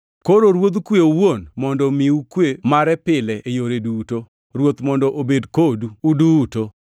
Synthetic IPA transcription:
koɾoɾwot̪̬kweowonmɔndɔmiukwemaɾɛpɪlɛʔejoɾeduto | ɾwot̪mɔndɔʔobedkoduuduto

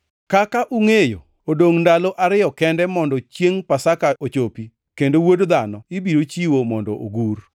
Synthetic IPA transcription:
kakaʔuŋejo̰ | odoŋndaloʔaɾɪjɔkɛndɛmɔndɔt͡ʃjeŋpasakaʔot͡ʃopi | kendowodd̪anɔibiɾot͡ʃiwomɔndɔ̰ʔo̰ɡur

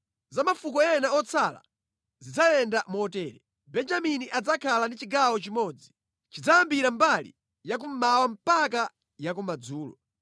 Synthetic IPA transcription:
zamafukɔɛnaɔt͡sʰala̰ | zid͡zajɛndamɔtɛːɾɛ | bɛnd͡ʒaminiʔad͡zakʰalandit͡ʃiɡawɔt͡ʃimɔːd͡zi | t͡ʃid͡zajambiɾambalḭ | jak̬um̩mawam̩paka | jakumad͡zuːlɔ̰

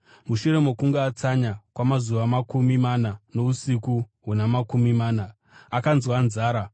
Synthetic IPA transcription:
muʃuɾe̞mokuŋɡaːt͡saɲakwamazuʋamakumimanano̞usikuɦunamakumimaːnaː | kanzwanzaːɾa

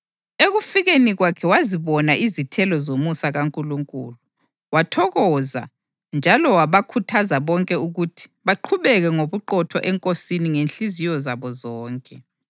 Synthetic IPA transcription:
eɣufiɣeniɣwakʰɛwaziβɔnaʔizitʰɛlɔzomusaɣaŋkʼuluŋkʼuːlu | watʰɔɣɔza̰ | nd͡ʒʱalɔwaβakʰutʰazaβɔŋkʼɛuɣutʰi̥βaǃʰuβɛɣɛŋoβuǃɔtʰɔʔɛŋkʼosiniŋenɬizijɔzaβɔzɔːŋkʼɛ

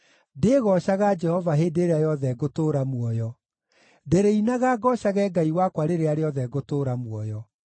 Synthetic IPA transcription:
deɣɔʃaɣad͡ʒɛhɔvaɦeːdeɾeajɔðɛɡotoːɾamwɔjɔ | deɾeinaɣaɡɔɕaɣɛːɡaiwakwaɾeɾeaɾeɔðɛɣotoːɾamwɔjɔ

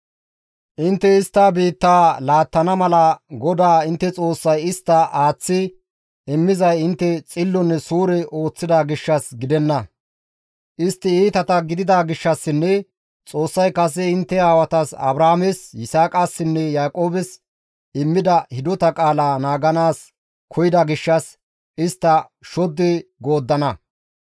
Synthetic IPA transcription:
ʔɪnt̪ːɛɪst̪ːaːbiːt̪ːaːlaːt̪ːɐnɐmɐlɐɡɔd̪aːɪnt̪ːɛt͡sʼo̞ːsːɐjɪst̪ːɐʔaːt͡sːɪ | ɪmːɪzɐjɪnt̪ːɛt͡sʼɪlːɔnːɛsuːɾɛʔo̞ːt͡sːɪd̪aːɡɪʃːɐsɡɪd̪ɛnːɐ | ʔɪst̪ːɪiːt̪ɐt̪ɐɡɪd̪ɪd̪aːɡɪʃːɐsːɪnːɛ | t͡sʼo̞ːsːɐjkɐs̬ɛɪnt̪ːɛaːwɐt̪ɐsɐ̰bɾaːmɛsjɪsaːkʼasːɪnːɛjaːkʼo̞ːbɛs | ɪmːɪd̪ɐhɪd̪ɔt̪ɐkʼaːlaːnaːɡɐnaːs | kʰɔjɪd̪ɐɡɪʃːɐs | ɪst̪ːɐ | ʃɔd̪ːɛɡo̞ːd̪ːɐnɐ

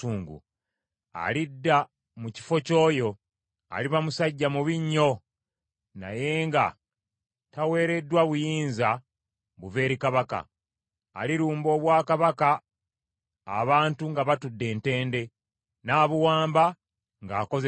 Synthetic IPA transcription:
uːŋɡṵ | a̰lidːa | muci̥fo̞co̞ːjo̞ | a̰liβamusaɟːamuβiɲːo̞ | na̰je̞ːŋɡa̰ | tawe̞ːɾe̞dːwaβujiːnza | βuve̞ːɾikaβaka̰ː | liɾuːmbo̞ːβwaːkaβaka | βaːntuŋɡaβatudːe̞ːnte̞ːnde̞ | naːβuwaːmba | ŋɡaːko̞z

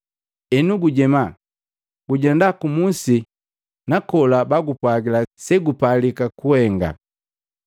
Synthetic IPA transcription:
ɛnuɡuɟɛma | ɡ̥uɟɛndakumusi | nakɔlabaɡupwaɡilasɛɡupalikakuhɛŋɡa̰

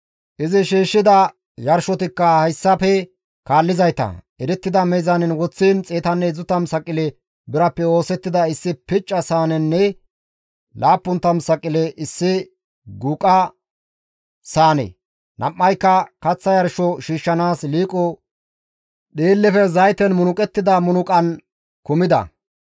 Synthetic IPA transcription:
ʔɪzɪʃiːʃːɪd̪ɐ | jɐɾʃɔt̪ɪkːɐhɐjsːɐpɛ | kaːlːɪzɐjt̪ɐ̰ | ɛɾɛt̪ːɪd̪ɐmɛjzɐnɪnwɔt͡sːiːnt͡sʼeːt̪ɐnːɛzʊt̪ɐmsɐkʼɪlɛ | bɪɾɐpːɛo̞ːsɛt̪ːɪd̪ɐɪsːɪpɪt͡ʃʼːɐsaːnɛnːɛ | laːpːʊnt̪ːɐmsɐkʼːɪlɛʔɪsːɪ | ɡʊkʼɐ | saːnɛ̰ | nʔɐ̰mːɐjkːɐkɐt͡sːɐjɐɾʃɔʃiːʃːɐnaːsliːkʼɔ | ɗeːlːɛfɛzɐjt̪ɛnmʊnʊkʼɛt̪ːɪd̪ɐmʊnʊkʼɐn | kʊmɪd̪ɐ̰

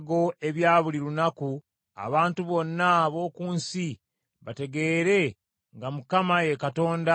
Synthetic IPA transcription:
ɡo̞e̞βjaːβuliɾunaku | a̰βaːntuβo̞nːaβo̞ːkuːnsi | βate̞ɡe̞ːɾe̞ | ŋɡamukamaje̞kato̞ːnda

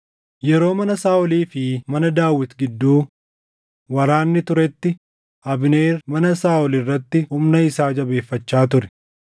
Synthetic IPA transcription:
jɛɾo̞ːmɐnɐsaːʔɔliːfɪmɐnɐd̪aːwːɪt̪ɡɪd̪ːuː | wɐɾaːnːɪt̪ʊɾɛt̪ːɪ | ʔɐbɪneːrmɐnɐsaːʔɔlɪrːɐt̪ːɪhʊmnɐɪsaːd͡ʒɐbe̞ːfːɐt͡ʃːaːt̪̬ʊɾɛ̥

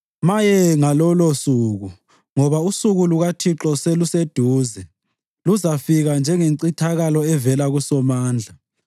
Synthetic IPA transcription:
majɛŋalɔlɔsuɣu | ŋɔβausuɣuluɣatʰiǁɔselused̥ʱuːzɛ | luzafiɣand͡ʒʱɛŋeǀitʰaɣalɔɛvɛlaɣusɔmaːnd͡ɮʱa

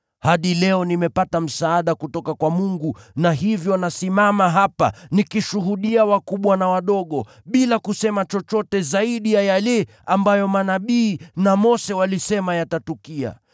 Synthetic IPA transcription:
haɗilɛɔnimɛpatam̩saːɗakutɔkakwamuŋɡunaɦivjɔnasimamaɦapa̰nikiʃuɦuɗiawakuɓwanawaɗɔɠɔ | ɓilakusɛmat͡ʃɔt͡ʃɔtɛzaiɗijajalɛ | ambajɔmanaɓiːnamɔsɛwalisɛmajatatukia̰

